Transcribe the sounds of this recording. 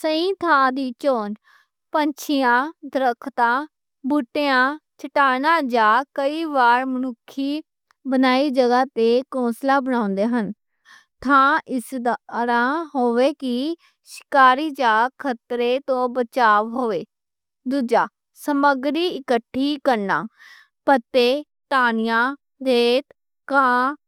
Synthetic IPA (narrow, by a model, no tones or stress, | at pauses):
səĩːt̪ʰãːd̪iːt͡ʃoːn | pəɲt͡ʃʰɪjãːd̪ɾəkʰt̪ãː | bʊʈejãːt͡ʃəʈaːnãːd͡ʒaːkəiːʋaːɾmənʊkʰːiː | bənaːiːd͡ʒəɡaːt̪eːkõːslaːbənãːnd̪eːɦən | t̪ʰãːɪsd̪ɾãːɦoːʋeːkɪ | ʃɪ̥kaːɾiːd͡ʒaːkʰət̪ɾeːt̪õːbət͡ʃaːʋɦoːʋeː | d̪uːd͡ʒaː | səməɡɾiːɪkəʈʰːiːkəɾna̰ː | pət̪ːeː | t̪aːnɪjãː | d̪eːt̪ | kãː